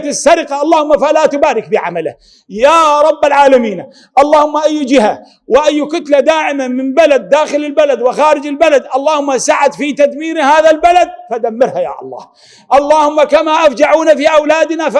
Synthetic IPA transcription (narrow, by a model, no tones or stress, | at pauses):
t̪ɪsːaɾɪqɑʔɑlˤːɑːhʊmːafalat̪ʊbaːɾɪkbɪʕa̰malɪ̰h | jaːɾˤɑbːalʕaːlamiːn | ʔɑlˤːɑːhʊmːaʔajːd͡ʒɪha | wɪʔajːkʊt̪lad̪aːʕɪmamɪmbalad̪ːaːxɪlɪlbalad̪wɪxaːɾɪd͡ʒɪlbalad̪ʔɑlˤːɑːhʊmːasaʕat̪fit̪ad̪miːɾhaːðalbalad̪̚faʔd̪amːɪɾhaja̰ːʔɑ̰lˤːɑ̰ːh | ʔɑlˤːɑːhʊmːakamaʔafd͡ʒaʕuːnafiːʔawlaːd̪ɪnaf